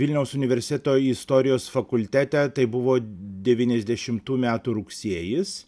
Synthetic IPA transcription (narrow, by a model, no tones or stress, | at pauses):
ʋʲɪlʲnʲɛʊsʊnʲɪʋʲɛɾʲsʲt̪ʲɛt̪oːɪst̪oːɾʲɪjoːsfɐkʊlʲt̪ʲæːt̪ʲɛt̪ɐɪbʊʋoːd̪ʲɛʋʲiːnʲɛzʲd̪ʲɛʃʲɪmt̪uːmʲæːt̪uːɾʊksʲiɛjɪs